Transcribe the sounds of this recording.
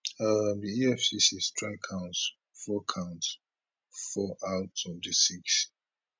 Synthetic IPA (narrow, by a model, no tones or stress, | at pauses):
amdiiɛfsisistʰɹakʰãʊ̃nts | fɔkʰãʊ̃nt | fɔʔatʰɔdisiks